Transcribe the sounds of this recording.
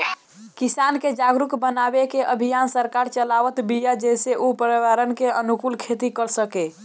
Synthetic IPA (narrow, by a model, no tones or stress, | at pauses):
kisanked͡ʒaɡɾukbənabekeʔəbʱijansəɾkaɾt͡ʃəlaʋət̪bijad͡ʒeseʔupəɾiʋaɾənkeənukulkʰet̪ikəɾsəke